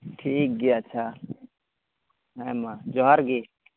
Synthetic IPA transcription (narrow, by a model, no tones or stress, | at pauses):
ʈʰiːk̚ɡiat͡ʃʰa | ɦamad͡ʒɔɦaɾɡi